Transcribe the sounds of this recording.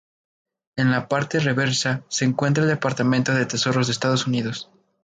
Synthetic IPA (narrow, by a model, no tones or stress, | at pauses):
e̞nlapaɾt̪ere̞βe̞ɾsase̞ːŋkwe̞nt̪̬ɾaeld̪epaɾt̪amẽnt̪o̞ðe̞t̪e̞so̞ɾo̞zðeːst̪að̞o̞suniðo̞s